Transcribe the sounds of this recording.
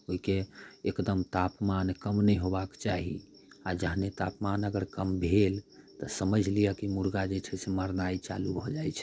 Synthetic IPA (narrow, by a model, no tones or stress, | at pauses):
oɦikeekd̪əmt̪apmankəmnəjɦobakt͡ʃaɦḭ | ad͡ʒəɦnet̪apmanəɡəɾkəmbʱelt̪əsəməd͡ʒʱlijəkimuɾɡad͡ʒet͡ʃʰɛseməɾnait͡ʃa̰lubʱɔd͡ʒajt͡ʃʰɛ̥